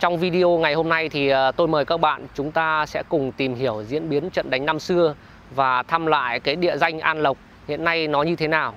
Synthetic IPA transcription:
t͡ɕɔ˧wŋ͡mvi˧ɗi˧ʔo˧ŋa˨˩jho˧mna˧jt̪ʰi˨˩˨t̪o˧jməː˨˩jkaː˦˥k̚ɓa̰ː˧˨nt͡ɕʊ˨˦ŋ͡mt̪aː˧sɛ̰˧˥kʊ˨˩ŋ͡mt̪i˨˩mɦi˧˩əwzḭ˧˥ənɓi˨˦ənt͡ɕə̰˧˨nɗa˨˦jŋna˧msɨ˧ə | vaː˨˩t̪ʰa˧mla̰ː˧˨jkaː˨˦jɗḭ˧˨əza˧jŋ̟ʔaː˧nlə˨˩wk͡p̚ | hḭ˧˨ənːa˧jnɔ˨˦ɲɨ˧t̪ʰe˨˦naː˨˩w

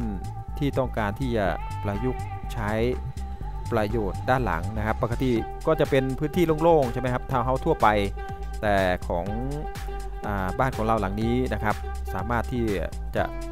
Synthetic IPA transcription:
t̪ʰiː˥˩t̪ɔ˥˩ŋkaː˧nt̪ʰiː˥˩t͡ɕa̰˨˩ | pla˧ju˦˥k̚ | t͡ɕʰa˦˥j | pɾa˧joː˨˩t̪̚daː˥˩˨nla̰˩˦ŋna˦˥kʰa˦˥pːa˧kʰa˧˩t̪i˨˩kɔː˥˩t͡ɕa˨˩pe˧npʰɯː˦˥nt̪ʰiː˥˩˨loː˥˨ŋloː˥˩ŋt͡ɕʰa˧˥˩ma˦˥jkʰa˦˥p̚t̪ʰaː˧˩wɦa˦˥˩wt̪ʰu˥˩ɐpa˧j | t̪ɛː˨˩kʰɔː˩˦ŋ | ʔaː˨˩baː˥˩nkʰɔː˩˦ŋla˧˩wla˩˦ŋniː˦˥na˦˥kʰa˦˥p̚ | saː˨˩˦maː˥˩t̪ʰːiː˥˩ | t͡ɕa̰˨˩ʔ

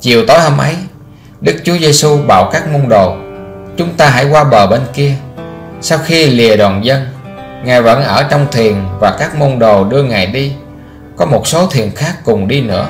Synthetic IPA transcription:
t͡ɕi˨˩əwt̪o˨˦jhə˧mʔə˨˦j | ɗɨ˦˥k̚t͡ɕu˨˦əze˧su˧ɓa̰ː˧˩wkaː˦˥k̚mo˧nɗo˨˩t͡ɕʊ˨˦ŋ͡mt̪aː˧ɦa̰˧˩jkwaː˧ɓəː˨˩ɓe˧nki˧ə | sa˧wxi˧li˨˩əɗwaː˨˩nzə˧n | ŋaː˨˩jvə̰˧˥nʔəː˧˩t͡ɕɔ˧wŋ͡mt̪ʰi˨˩ənvaː˨˩kaː˦˥k̚mo˧nɗo˨˩ɗɨ˧əŋaː˨˩jɗi˧ | kɔ˨˦mo˨˩t̚so˨˦t̪ʰi˨˩ənxaː˦˥kːʊ˨˩ŋ͡mɗi˧nɨ̰˧˥ə

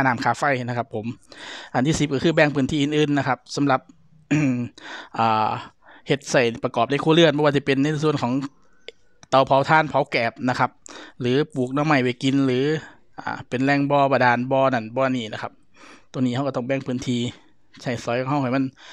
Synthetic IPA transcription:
a˧naː˨˦mkʰaː˨˧˩fa˧˩˨jhna˧˩kʰa˧pʰːo˩˦mʔa˨nʰiː˧˩si˧˦p̚ka˧kʰɯː˧˩bɛː˧˩ŋpʰɯː˧˦nt̪ʰiː˧˨ʔːnʔɯː˧˩˨nːa˧kʰa˧˥p̚sa˨˦mla˧˦p̚ | ʔaː˨˩ | he˧˦t̪̚sa˧˩jpa˧kɔː˨˩p̚na˧˩jkʰuː˧˨lɯ˧˩ənbɔ˧waː˧t͡ɕi˧˩pe˨nːa˧˨˧su˧˨ənkʰɔː˨˦ŋ | t̪a˨˩wpʰa˨˦wt̪ʰaː˧˥˨npʰa˨˦wkɛː˨˩p̚na˧kʰa˧p̚lɯː˨˦puː˨˩k̚nɔː˧˨ma˧˩jwe˧˩ki˧nlɯː˨˦ | ʔa̰ː˨˩pe˨nlɛː˧˩ŋbɔː˧baː˧˩daː˨˩nbɔː˧na˧˩nbɔː˧˩niː˧˩na˧kʰa˧p̚ | t̪u˧˨niː˧ha˧wkːt̪ɔ˧˩ŋbɛː˧˩ŋpʰɯː˧˥nt̪ʰiː˧ | t͡ɕʰa˧˩jsɔː˨˦jkʰɔ˨˧˦ha˧whʰa˨˩ma˧˥˨n

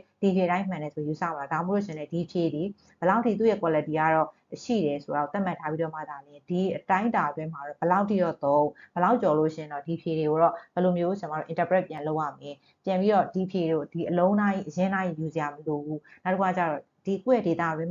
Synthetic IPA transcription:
d̥i˨je˨ɾã˦ɪ̃mã˨nɛ˨so˨ɛ˨ju˨sa̰˦˨ba˨ɛ˨da˨mo˦o˦˨ɪ̃˨nɛ˦˨di˨əpʰje˨d̪i˨ | b̥ə˨la˦ʊʔtʰːḭ˦˨t̪̬u˦˨jɛ˦˨kwa˨lə˨ti˨ɡa̰˦˨ɹɔ˦˨ | ʃḭ˦˨ɾɛ˨so˨a˨o˨t̪a̰˦˨m̥a˦tʰːa˦pi˦ɾɔ˦˨ma̰˦˨d̪a˨mjɪ̃˨d̥i˨ʔətã˦ɪ̃nta˨dwɪ̃˦ma˨ɹɔ˦˨b̥əla˦ʊʔtʰːḭ˦˨ɾɔ˦˨t̪õ˦ʊ̃b̥əla˦ʊʔt͡ɕɔ˨lo˦˨ʃɪ̰̃˦˨ɪ̃˨nɔ˦˨di˨əpʰje˨ɾe˨ɡo˨ɹɔ˦˨b̥ə˨lo˨mjo˦˨t͡ɕt͡ɕma˦˨o̰˦˨ʔɪ̃˨ntə˨pɹɛ˦ʔ̚pjã˨lo˦ʊʔa̰˦˨mjɪ̃˨ | pjã˨mpi˦ɾɔ˦˨di˨pʰje˨ɾo˨di˨ʔəlõ˦ʊ̃na˦ʔḭ˦˨ʔəjɪ̃˦na˦ʔḭ˦˨ju˨zɪ˨ja˨məlo˨bu˦na˦tə˦ku˨a˦˨t͡ɕa̰˦˨ɹɔ˦˨ | d̥i˨kɛ˦˨de˨t̪a̰˦˨dwɪ̃˦m˨

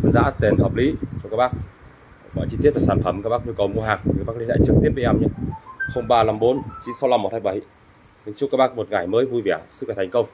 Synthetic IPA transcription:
za̰ː˧˥t̪e˨˩nhəː˨˩p̚lḭ˧˨˦t͡ɕɔ˧kaː˦˥k̚ɓaː˦˥k̚ | ɓɔ̰˧˩jt͡ɕi˧t̪i˦˥ət̚laː˨˩saː˧˩nfə˨˧˩mka˦˥k̚ɓaː˦˥k̚ɲu˧kə˨˩wmu˧əɦaː˨˩ŋ˨˧˨ɓaː˦˥kli˧˦ʔa̰ː˧˨t͡ɕɨ˨˩k̚t̪i˦˥əp̚ːʔa˧˩mɲɨ˧˦xə˧wŋ͡mɓaː˧la˧˩mɓo˨˦nt͡ɕi˧˦sa˧wla˧˩m˨˩t̚haː˧˩jɓa˨˧˩j | nɨ˨˧˦ŋt͡ɕkaː˦˥ɓaː˦˥k̚mo˨˩t̚ŋa˧˩jməː˨˦jvu˧jvi˨˧˨ə˨˩sɨ̰˧˥kaː˨˩t̪ʰŋ̟kə˧wŋ͡m

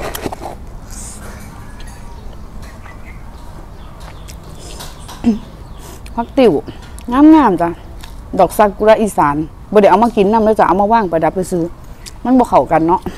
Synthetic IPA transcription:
pʰa˧˥k̚t̪i˧˩w | ŋaː˧˥˨mŋaː˧˩˨mt͡ɕa˧˩ | dɔː˨˩k̚sa˧˩ku˧ɾaː˧ʔi˧˩saː˨˦n | bɔː˧da˧˩˨ʔa˨wmaː˧ki˨˦nːa˧˨lɛ˧˨t͡ɕa˧˨a̰˨˩wmaː˧waː˧˥˩ŋpa˨˦jda˧˦p̚kɯ˧˩sɯː˧˦ | ma˧˥˨bɔː˧kʰa˨˩wka˨nːɔ˧˥ʔ

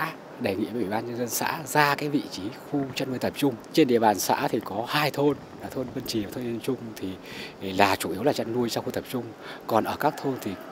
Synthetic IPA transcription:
ɗə˨˩jŋḭ˧˥ə˨˧˨ʔi˧˩ɓaː˧nɲə˧nzə˧nsa̰ː˧˥zaː˧kaː˨˦jvḭ˧˨t͡ɕi˨˦xu˧t͡ɕa˧tnu˧əjt̪ə˨˩p̚t͡ɕʊ˧ŋ͡mt͡ɕe˧nɗḭ˧˨əɓaː˨˩nsa̰ː˧˥t̪ʰi˨˩kɔ˨˦haː˧jt̪ʰo˧n | laː˨˩t̪ʰo˧nvə˧nt͡ɕi˨˩ə˨˩t̪ʰo˧ɲzə˧nt͡ɕʊ˧ŋ͡mt̪ʰi˨˩ | laː˨˩t͡ɕu˧˩ʔi˨˦əwlaː˨˩t͡ɕa˧nnu˧əjsaː˧wxu˧t̪ə˨˩p̚t͡ɕʊ˧ŋ͡mkɔ˨˩nʔəː˧˩kaː˦˥k̚t̪ʰo˧nt̪ʰi˨˩

